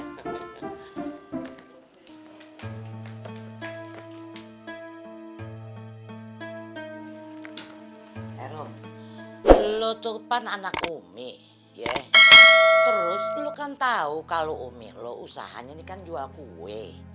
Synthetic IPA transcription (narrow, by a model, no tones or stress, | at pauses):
ɛɾɔ | lot̪upananakumɪʔ | jɛ | tt̪əɾʊslokant̪aukaloʔumɪ̰ʔlousa̰ɦa̰ɲanikand͡ʒualkuwe